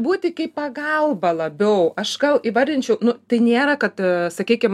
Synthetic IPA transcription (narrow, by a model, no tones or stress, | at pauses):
buːt̪ʲɪkʲɐɪpɐɡɐlˠbɐlˠɐbʲɛʊɐʃɡɐlˠiʋɐrʲd̪ʲɪnʲt͡ʃʲɛʊnʊt̪ɐɪnʲeːɾɐkɐt̪sɐkʲiːkʲɪm